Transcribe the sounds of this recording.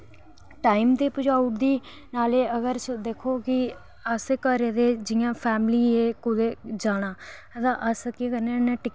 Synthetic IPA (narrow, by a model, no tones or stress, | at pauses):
ʈaːimd̪eːpʊd͡ʒaːʊʈd̪iː | naːleːəɡəɾt͡ʃd̪eːkʰoːkɪ | əskəɾed̪eːd͡ʒɪjãːpʰɛːmliːeːkʊd̪eːd͡ʒaːɽ̃aː | ət̪ãːʔəskeːkəɾnẽːnɛ̃ːʈɪ